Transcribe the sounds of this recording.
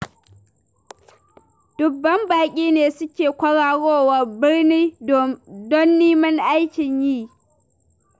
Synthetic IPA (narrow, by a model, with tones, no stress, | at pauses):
d̥ʊ˨bːɐ˦mbaː˨kʲʼiː˦neː˨sʊ˦kʲeː˨kʷɐ˦ɽaː˨ɽoː˦wa˨bɪ˦rniː˦ | dɔ˦nːiː˦mɐ˦ŋʔa˦jkʲɪ˨ɲjiː˦˨